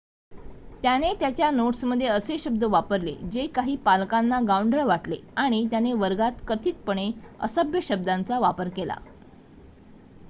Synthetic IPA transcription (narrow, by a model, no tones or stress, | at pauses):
t̪janet̪jat͡ɕjanoʈsməd̪ʱːjeəseɕəb̚d̪əʋapəɾlḛd͡ʑekaɦiːpalkanːaɡauɳɖɾəɭʋaʈlḛaɽ̃it̪janeʋəɾɡat̪kət̪ʰiːt̪̚pəɳ̃eə̰səbjəɕəb̚d̪ãnt͡saʋapəɾkela̰